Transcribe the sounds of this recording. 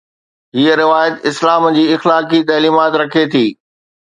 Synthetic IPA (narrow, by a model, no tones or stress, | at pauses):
ɦiːəɾɪʋaːjət̪ɪslaːmd͡ʑiːɪxlaːkit̪ɐːliːmaːt̪ɾɐkʰet̪ʰiː